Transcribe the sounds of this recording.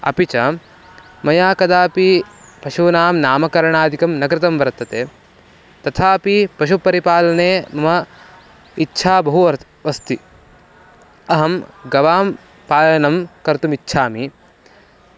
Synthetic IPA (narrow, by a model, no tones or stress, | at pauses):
ɐ̰pit͡ʃɐ | mɐjaːkɐd̪aːpipɐʃuːnaːmnaːmɐkɐɾɐɳaːd̪ʱikɐmnɐkɾɪt̪ɐmʋɐɾɐt̪ːɐt̪eː | t̪ɐt̪ʰaːpipɐʃupɐɾipaːlɐneːmɐmɐ | itːʃʰaːbɐɦuɐ | ʋɐst̪i | ɐɦɐmɡɐʋaːm | paːjɐnɐmkɐɾt̪umitːʃʰaːmi